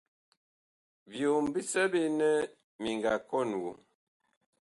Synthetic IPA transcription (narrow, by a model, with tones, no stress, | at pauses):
vjo˨m˨bi˦sɛ˦be˦nɛ˦ | mi˨ŋɡa˨kɔ˦˨n˨wṵ˨